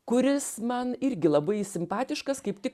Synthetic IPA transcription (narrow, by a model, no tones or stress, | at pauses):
kʊɾʲɪsmɐnɪɾʲɡʲɪlˠɐbɐɪsʲɪmpɑːt̪ʲɪʃkɐskɐɪpt̪ʲɪk